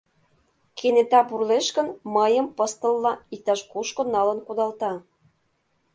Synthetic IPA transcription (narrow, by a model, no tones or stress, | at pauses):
kʰenet̪ɑpurleʃkə̆nməjə̆mpɤst̪ə̆lːɑik̚t̪ɑʃkuʃkŏnɑlə̆nkud̪ɑlt̪ɑ